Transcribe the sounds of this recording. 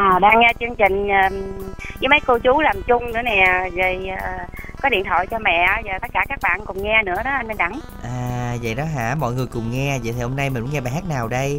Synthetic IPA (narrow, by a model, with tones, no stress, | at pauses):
ʔaː˨˩ɗaː˧ŋːɛ˧t͡ɕɨ˧əŋt͡ɕï˨˩ŋ̟aː˨˩kəː˨˦mə˨˦jko˧t͡ɕu˨˦laː˨˩mt͡ɕʊ˧ŋ͡mnɨ̰˧˥ənɛ˨˩zə˨˩jːkɔ˨˦ɗḭ˧˨ənt̪ʰɔ̰˧˨jt͡ɕɔ˧mɛ̰˧˨˦zəː˨˩t̪ə˦˥t̚kaː˧˩kaː˦˥k̚ɓa̰ː˧˨nkʊ˨˩ŋ͡mŋɛ˧nɨ̰˧˥əɗɔ˨˦ʔa˧nɓə˧nɗa˧˩ŋ | ʔaː˨˩və̰˧˨jɗɔ˨˦ɦa̰ː˧˥mɔ̰˧˨jŋɨ˨˩əjkʊ˨˩ŋ͡mŋɛ˧və̰˧˨t̪ʰi˨˩ho˧mna˧jmi̟˨˩mṵ˨˦ŋɛ˧ɓaː˨˩ɦaː˦˥t̚naː˨˩wɗə˧j